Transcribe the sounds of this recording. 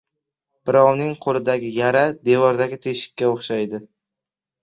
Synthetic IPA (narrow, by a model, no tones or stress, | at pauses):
b̥ɪɾɒwnɪŋqʰolˠɪd̪aɡʲɪjaɾad̪e̞vɒɾd̪aɡʲɪt̪ʰe̞ʃɪ̥kʲːaoχʃajd̪ɪ